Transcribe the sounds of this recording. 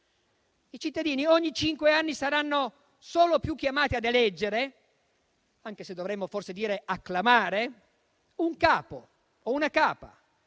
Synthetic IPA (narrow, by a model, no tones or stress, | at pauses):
it͡ʃit̪ːad̪iːnioɲːit͡ʃiŋkweanːisaɾanːo | soːlopjukːjamaːt̪iad̪elɛd͡ʒːeɾe | aŋkesed̪ːovɾɛmːoforsed̪iːɾeakːlamaːɾe | uŋkaːpo | ounakaːpa̰